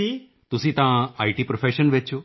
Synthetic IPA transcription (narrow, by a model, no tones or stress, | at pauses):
i | t̪ʊsĩːt̪ãaːiʈiːpɾofʰeːʃənʋeːt͡ʃʰoː